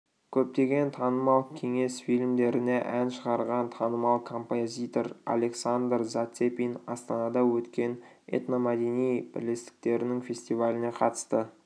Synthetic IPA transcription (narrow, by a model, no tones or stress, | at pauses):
kʲʰɵp̚t̪e̞ɡʲe̞nt̪ʰɑnəmɑlˠkʲʰe̞ŋe̞sfilʲmd̪e̞ɾɪneʔænʃəʁɑɾʁɑnt̪ʰɑnəmɑlˠkʰo̞mpozʲit̪o̞ɾa̰lʲe̞ksand̪rzat̪sepʲinɑ̰st̪ɑnɑd̪ɑwɵt̪kʲe̞n | ḛt̪nomɑd̪enijb̥ɪ̰ɾle̞st̪ɪ̥k̚t̪e̞ɾɪnɪŋfʲe̞sʲt̪ivalʲɪne̞qʰɑt̪ə̥st̪ə